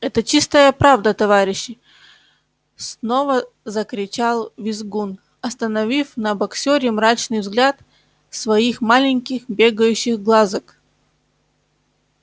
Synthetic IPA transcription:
ɛt̪ət͡ɕist̪əjəpɾavd̪ət̪ɐvaɾʲɪɕːɪ | sno̞və | zəkɾʲɪt͡ɕalˠvʲɪzɡun | ɐst̪ənɐvʲifnɐbɐksʲoɾʲɪmɾat͡ɕnɨjvzɡlʲat̪ | svɐixmalʲɪŋʲkʲɪxbʲe̞ɡəjʉɕːɪxɡlˠazək

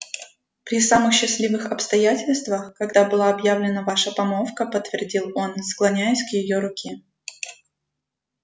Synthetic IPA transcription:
pɾʲɪsamɨxɕːɪsʲlʲivɨxɐpst̪ɐjætʲɪlʲst̪vəxkɐɡd̪abɨlˠaɐbjavlʲɪnəvaʂəpɐmofkəpət̪ːvʲɪrdʲilˠo̞nsklˠɐnʲæjɪsʲkjɪjo̞ɾʊkʲe

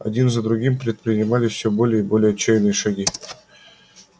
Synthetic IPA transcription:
a̰dʲinzad̪ɾuɡʲimʲprʲɪt̪̚prʲɪnʲimɑlʲɪfsʲobolʲejibolʲejat͡ɕːejnɨjʂaɡʲi

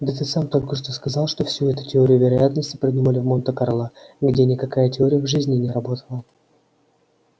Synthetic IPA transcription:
d̪ət̪ɨsamt̪o̞lʲkəʂt̪o̞skɐzɑlˠʂt̪o̞fsʲuɛt̪ʊtʲɪo̞ɾʲɪjʊvʲɪɾɐjat̪nəsʲtʲɪ̥pɾʲəd̪ʲnʲɪmalʲɪvmo̞nt̪əkɐɾlˠaɡdʲenʲɪkɐkajətʲɪo̞ɾʲɪjəvʐɨzʲnʲɪnʲɪɾɐbo̞t̪ʰə̥lˠə

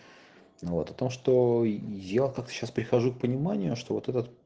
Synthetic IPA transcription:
vo̞t̪ɐt̪o̞mʂt̪o̞jakak̚t̪ə̥ɕaspɾʲɪxɐʐuk̚pənʲɪmanʲɪjʊʂt̪o̞vo̞t̪ɛt̪ət̪

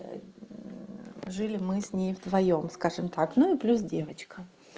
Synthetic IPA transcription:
ʐɨlʲɪmɨsʲnʲejvd̪vɐjo̞mskaʐɨmt̪aknuɪplʲusdʲe̞vət͡ɕkə

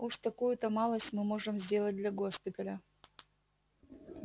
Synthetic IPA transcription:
uʂt̪ɐkujʊt̪əmɑlˠəsʲtʲmɨmoʐɨmzʲdʲe̞lˠət̚ʲd̪lʲɐɡospʲɪt̪əlʲə

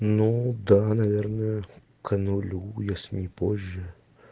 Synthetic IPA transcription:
nud̪anɐvʲernəjə | kʰənʊlʲujasʲnʲɪpoʑʲːə

